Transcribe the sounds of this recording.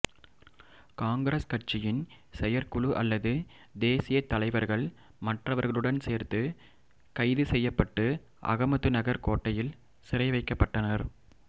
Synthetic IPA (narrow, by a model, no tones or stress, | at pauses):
kaːŋɡɾɐskɐʈt͡ʃɪjɪn | sɛjɐɾkʊɭuʔɐ̰lːɐðɯ | d̪eːsɪjɐt̪ːɐlɐɪʋɐɾɣɐɭ | mɐʈrɐʋɐɾɣɐɭɯɽɐnseːɾt̪ɯ | kɐɪðɯsɛjːɐpːɐʈːɯ | ʔɐ̰ɣɐmɐt̪ːɯnɐɣɐɾkoːʈːɐjɪl | sɪɾɐɪʋɐɪkːɐpːɐʈːɐnɐɾ